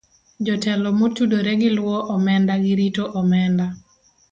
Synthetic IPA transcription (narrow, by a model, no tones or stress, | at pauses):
d͡ʒɔtɛlɔmotudoɾeɡɪlwɔʔɔmɛndaɡɪɾitoʔɔmɛnda